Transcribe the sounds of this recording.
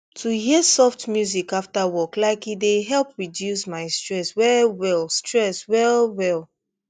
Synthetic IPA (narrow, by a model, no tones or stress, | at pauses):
tʰuɦiəsɔftmjuzikaftawɔklaɪkideɦɛlˠp̚ɹidjusmaɪstɹɛswɛlwɛlˠstɹɛswɛlˠwɛlˠ